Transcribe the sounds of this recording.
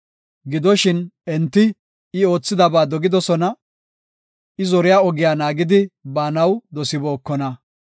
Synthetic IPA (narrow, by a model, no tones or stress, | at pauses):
ɡɪd̪ɔʃɪnɛnt̪ːɪ | ɪo̞ːt͡sːɪd̪ɐbaːd̪ɔɡɪd̪ɔsɔnɐ | ʔɪzɔɾɪjaːɔɡɪjaːnaːɡɪd̪ɪbaːnɐwd̪ɔsɪbo̞ːkːɔnɐ